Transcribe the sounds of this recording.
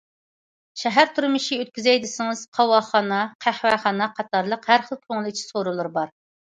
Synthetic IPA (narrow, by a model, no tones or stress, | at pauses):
ʃɛɦæɾt̪ʰuɾmɨʃiøt̪̚kʲyzɛjd̪ɪsɪŋɨz̥qʰɑwɑχɑnɑqʰæhwæχɑnɑqʰɑt̪ʰɑɾlˠəqhæɾχəlˠkʲʰøŋlˠɪt͡ʃʰi̥soɾulˠɨɾbɑɾ